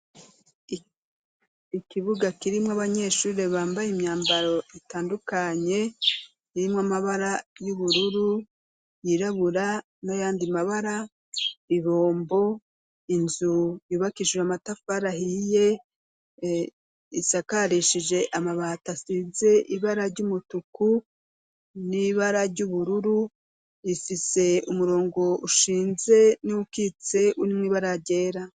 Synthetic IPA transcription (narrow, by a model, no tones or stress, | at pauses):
ikiβuɡakiɾimŋoaβaɲe̞ːʃuːɾeβaːmbajimɲaːmbaɾo̞itaːndukaɲe̞ | iɾimŋamaβaɾajuβuɾuɾu | jiɾaβuɾa | najaːndimaβaɾa | iβo̞ːmbo̞ | inzujuːβakiʃweamatafaɾahije̞ | isakaɾiʃiʒe̞ʔamaβatasize̞ʔiβaɾaɟumutuku | niβaɾaɾɟuβuɾuɾu | ifise̞umuɾo̞ːŋɡo̞ʔuʃiːnze̞niukit͡se̞ʔunimŋwiːβaɾaɟe̞ːɾa